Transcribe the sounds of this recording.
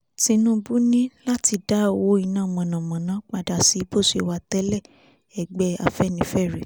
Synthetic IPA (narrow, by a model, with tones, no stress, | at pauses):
tĩ˧˦nũ˦bu˦nĩ˦la˦ti˧da˦o˨wo˦i˧nãː˦˨mã˨nã˨mã˨nã˨˦k͡pa˧da˨si˨˦bo˦˨ʃe˧wa˧tɛ˦lɛ˦˨ | ɛ˨ɡ͡bɛ˨˦a̰˨fɛ˦˨nĩ˨˦fɛ˦˨ɾe˨